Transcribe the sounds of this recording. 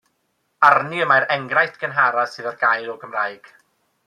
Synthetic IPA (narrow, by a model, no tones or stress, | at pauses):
arniəmajɾɛŋɡrajθɡ̥ənɦaɾḁsɨːðarɡajɾɔɡəmrajɡ̥